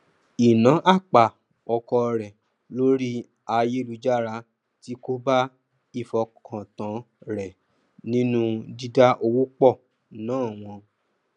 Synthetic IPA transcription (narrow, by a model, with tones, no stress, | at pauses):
i˨nã˨˦ʔa˦˨k͡pa˨ | ɔ˧kɔ˧ɾɛ˨ | lo˦ɾi˦ | a˧je˦lu˧d͡ʒa˦ɾa˧ | ti˦ko˦ba˦ | i˦˨fɔ˧kʰã˨tã˨˦ | ɾɛ˨ | nĩ˦nũ˦di˦da˦ʔo˧wu˦k͡pɔ˦˨ | nãː˦˨w̃ɔ̃˧